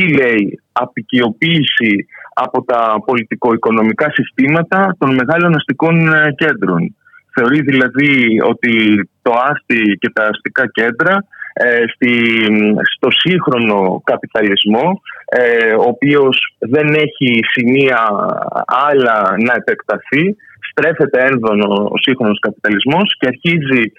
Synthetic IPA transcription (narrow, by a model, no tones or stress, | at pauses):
ile̞i | ɐpicio̞piːsiɐpo̞t̪ɐpo̞lit̪iko̞iko̞no̞mikɐsist̪imɐt̪ɐt̪o̞nme̞ɣɐlo̞nɐst̪iko̞nce̞nd̪ɾo̞n | θe̞o̞ɾiðilɐðio̞̰t̪it̪o̞ɐst̪ice̞t̪ɐːst̪ikɐce̞nd̪ɾɐst̪i | st̪o̞siŋxɾo̞no̞kɐpit̪ɐlizmo̞ | o̞ːpio̞sðe̞ne̞çisimiɐ | ɐlɐnɐepe̞kt̪ɐθist̪ɾe̞fe̞t̪e̞e̞nðo̞noo̰sĩxɾo̞no̞skɐpit̪ɐlizmo̞sce̞ɐɾçizi